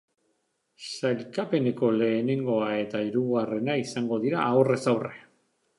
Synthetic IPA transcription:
sajlkape̞ne̞ko̞le̞ːne̞ŋɡo̞ae̞t̪aiɾuɣare̞naisaŋɡo̞ðiɾaːwre̞sawre

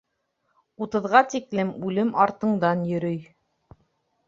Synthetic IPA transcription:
ut̪ɤ̆ðʁɑt̪iklɘmʉlɘmɑɾt̪ɤ̆ɴd̪ɑnjɵ̆ɾɵj

